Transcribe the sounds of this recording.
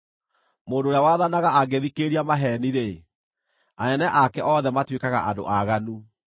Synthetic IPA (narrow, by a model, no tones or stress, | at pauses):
moːndoːɾjawaðanaɣaʔaɡeðikeɾiamaɦɛniɾe | aɛnɛʔakɛʔɔðɛmatwekaɣa̰ʔado̰ʔaɣanu